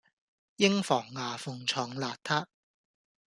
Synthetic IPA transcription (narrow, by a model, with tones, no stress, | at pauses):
jɪ˥ŋfɔː˨˩ŋːaː˨˩fʊ˨ŋt͡ʃʰɔː˨˩ŋlaː˨˧t̚t̪ʰaː˥